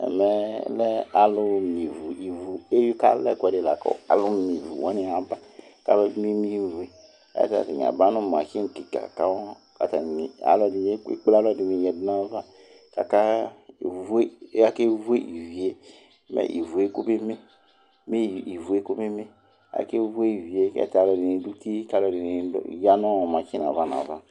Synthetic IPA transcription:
ɛ̰˨mɛ˨lɛ˦a˨lo˦mi˨vu˨i˨vu˨e˦jka̰˦lɛ̰˦˨kɛ˨de˨la̰˨kɔ̰˦˨a̰˨lu˦mi˨vṵ˨wa˦nĩ˦a˨ba˦ka˦lɛ˦mi˦mi˦vu˨e˨ | a̰˦a̰˦ta̰˨ti˨ɲ̰˨a̰˨ba˦nũ˦m˨a̰˨ki˦e˦˨ki˨ka̰˨ka˦wɔ˦ | a̰˨ta˨i˨a̰˨lɔ˦di˨˦e˦ḛ˦k͡pla˦lɔ˦˨di˨mi˨jɛ˨dna˦va˦ | ka˨ka˦˨ | ve˦˨˦a˨ke˦vu˦e˦ʔi˨vi˨e˦ | mḛ˦˨ʔḭ˨vu˨e˦ko˦be˦me˦ | me˦˨i˨vu˨e˦ko˦be˦me˦ | a̰˨ke˦vu˦e˦i˨vi˨e˦ɛ̰˨ta˨lɔ˨di˨e˨˦du˦ti˦ka˨˦lɔ˨di˨ne˨˦˨ja˦nɔ˦˨ma˨ki˦na̰˨va˦na̰˨va˦

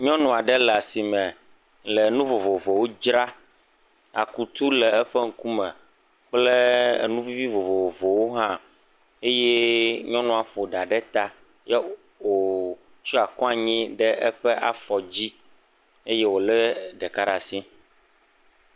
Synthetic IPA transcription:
ɲɔ̃˦nɔ̃˨a˨ɖɛ˦lɛ˨a˨si˨mɛ̃˨ | lɛ˨nũ˦vo˨vo˨vo˨wo˦d͡ʒɾa˦ | a̰˨ku˨t̪u˦lɛ˨ɛ˦ɸɛ˦ŋ̩˨ku˦mɛ̃˨ | k͡plɛ̰˦˨nũ˦vi˦vi˦vo˨vo˨vo˨vo˨wo˦ɦã˦ | e˦jɛ˦ɲɔ̃˦nɔ̃˨a˨ɸo˨ɖa˨ɖɛ˦t̪a˦ | jɛ˦ | o˨ | t͡ʃɔ˦a˨kɔ̃˦a˨ɲĩ˦ɖɛ˦ʔɛ˦ɸɛ˦ʔa̰˨fɔ˨d͡ʑi˦ | e˦je˦wo˨lɛ˦ɖɛ˨ka˦ɖa˨sĩ˦

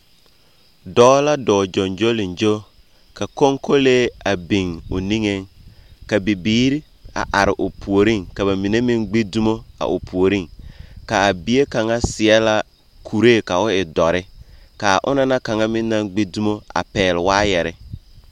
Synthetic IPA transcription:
dɔː˦la˦dɔː˨d͡ʒɔ˨nd͡ʒo˦lɪ˨nd͡ʒo˦ | ka˨ko˦ŋko˦leː˦a˨bi˨ŋʊ˨ni˦ŋe˦ŋka˨bi˨biː˦ɾi˦ | a̰˨ʔa˨ɾɪ˨ʔʊ˨pʰu˨o˨ɾi˦ŋka˨ba˨mi˨ne˦mɪ˦ŋɡ͡be˦du˦mo˦a̰˨ʔʊ̰˨pʰu˨o˨ɾi˦ŋka˨a˨bi˦e˦ka˨ŋa˦sɪ˨ɛ˦la˦ | kʰu˨ɾe˦˨ka˨ʊ˦ɪ˨dɔ˨ɾɪ˦ka˨ʔʊ̰˦na˦na˦ka˨ŋa˦mɪ˦nːa˦ŋɡ͡be˦du˦mo˦a̰˨pɛː˨lɪ˨waː˦jɛ˨ɾɪ˦

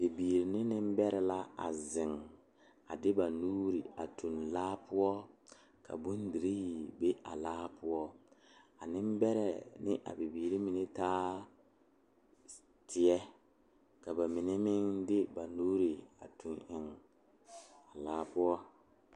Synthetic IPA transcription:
be˨biː˨ɾi˨nɪ˦nɪ˦m˦bɛ˦ɾɛ˨la˦a̰˨zɪ˨ŋ | a̰˨dɪ˦ba˨nuː˦ɾi˨a̰˨tu˨nlaː˦pʊ˦ɔ˦ | kʰa̰˨bu˦ndi˨ɾi˦˨be˦ʔa̰˨laː˦pʊ˦ɔ˦ | a˨nɪ˦mbɛ˦ɾɛ˨nɪ˦ʔa̰˨be˨biː˨ɾi˦mi˨ne˦taː˦ | tʰɪ˨ɛ˦ | ka˨ba˨mi˨ne˦mɪ˦ŋdɪ˦ba˨nuː˦ɾi˨a̰˨tu˨nʔɪ˨ŋ | a˨laː˦pʊ˦ɔ˦

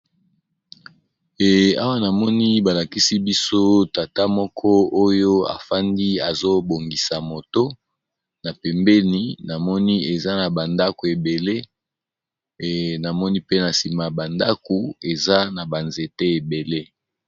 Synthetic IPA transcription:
ɛ˨a˦wa˦na˨mɔ˦ni˦ba˨la˨ki˦si˦bi˦so˦ta˨ta˦mɔ˦kʰɔ˦o˦jo˦a̰˨fa˦ndi˦a˨zo˦bo˨ŋɡi˨sa˨mo˨to˦ | na˨pɛ˨mbɛ˦ni˨na˨mɔ˦ni˦e˨za˦na˨ba˨nda˦ko˨e˨be˨le˦˨ | na˨mɔ˦ni˦pe˦na˨si˨ma˨ba˨nda˦ko˨e˨za˦na˨ba˨nze˨te˦e˨be˨le˦

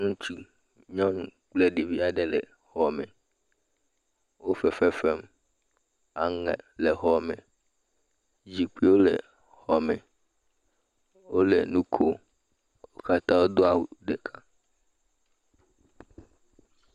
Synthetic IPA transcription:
nũ˦t͡ʃu˦ | ɲɔ̃˦nũ˨k͡plɛ˦ɖi˨vi˦a˦ɖɛ˨lɛ̰˨ | hɔ˨mɛ˨ | wo˦fɛ˨fɛ˦fɛ˦m | a˨ŋɛ̰˨lɛ˨ɦɔ˨mɛ̃˨ | d͡ʑi˨k͡pi˦wo˦lɛ̰˨ | hɔ˨mɛ̃˨ | wo˦lɛ̰˨nũ˦kʰo˦ | wo˦ka˦t̪ã˦wo˦d̪o˦a˨wu˨ɖɛ˨kʰa˦

